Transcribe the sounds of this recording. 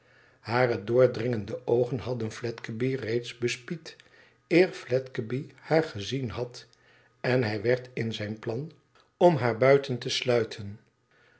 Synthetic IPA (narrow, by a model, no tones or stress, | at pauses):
haːrədʊːɹdrɪŋəndəʔowχənɦɑdənflɛtkəbirejtsbəspit | ɪːɹflɛtkəbihaːɹχəzinɦɑt | ɛnɦɛjʋɛɹtɪnzɛjnplɑn | ɔmɦaːɹbœɥtəntəslœɥtʰən